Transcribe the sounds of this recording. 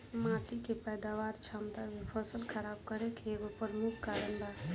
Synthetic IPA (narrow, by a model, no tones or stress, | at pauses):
maːʈikepɛjd̪aʋaːɾt͡ʃʰamt̪abʱipʰəsəlkʰəɾaːb̚kəɾekeeɡopəɾmukʰkaɾəɳɖa